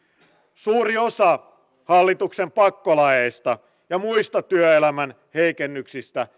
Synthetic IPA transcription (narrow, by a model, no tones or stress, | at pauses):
suːɾiosɑ | hɑlːit̪uksempɑkːolɑjeist̪ɑ | jɑmuist̪ɑt̪yøelæmæn | he̞ikenːyksist̪æ